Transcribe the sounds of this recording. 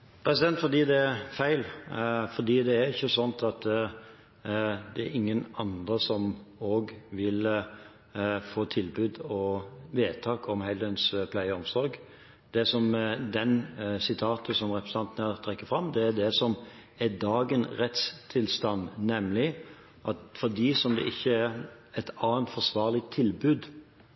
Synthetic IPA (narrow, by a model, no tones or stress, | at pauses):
pʰɾɛsɪd̪ɛnt̪fɔd̪iːd̪ɛæfæɪlfɔd̪iːd̪ɛːɾɪçːəsɔnt̪ʰɑt̪ɛ | d̪ɛæ̰ɾɪŋːənɑnd̪ɾəsɔmoːɡʋɪl | foːt̪ʰɪlbʉːd̪ɔʋeːt̪ʰɑːkʰɔmhɛld̪ənspʰlæɪəɔmsɔɾɡ | d̪̥ɛsɔmd̪ɛnsɪt̪ʰɑːt̪ʰəsɔmɾɛpɾəs̩ɑnt̪ənət̪ʰɾɛkːəfɾɑmːd̪ɛæd̪ɛsɔm | ɛd̪ɑːɡənɾɛt̪st̪ʰɪlst̪ɑnnɛmlɪ | ʔɑt̪fɔd̪iːsɔmd̪ɛ̰ʔɪçːəæɾɛt̪ɑːənt̪fɔsʋɑːʁlɪt̪ʰːɪlbʉːd̪